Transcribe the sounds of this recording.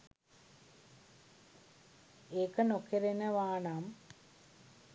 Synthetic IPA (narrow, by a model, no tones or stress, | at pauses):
eːkːɐnokːeɾenɐʋaːɳaːm